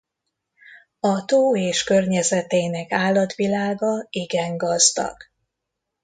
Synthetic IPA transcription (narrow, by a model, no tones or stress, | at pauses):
ɒt̪oːeːʃkørɲɛzɛt̪eːnɛkaːlːɒt̪ʋilaːɡɒiɡɛŋɡɒzd̪ɒ̰ɡ̥